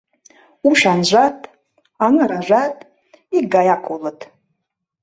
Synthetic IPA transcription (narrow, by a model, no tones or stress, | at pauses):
uʃᶣanʒʷatʼ | anɨɾaʒʷatʼ | iɡajakʰʼolɨtʰʼ